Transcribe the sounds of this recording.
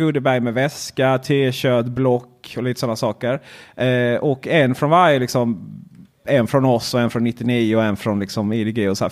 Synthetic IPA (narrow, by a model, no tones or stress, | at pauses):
ɵd̪əbæɾjmɛvɛskat̪ʰeːɕøːt̪blɔkːɔliːt̪ə̥sɔnːasɑːkəɾ | ʔɔkːɛnːfɾɔnvaɾjəlɪksɔm | ɛnfɾɔnɔsːɔɛnfɾɔnːɪt̪ːɪniːʊɛnfɾɔnlɪksɔmɪd̪ɪɡiːɔsæ̰ː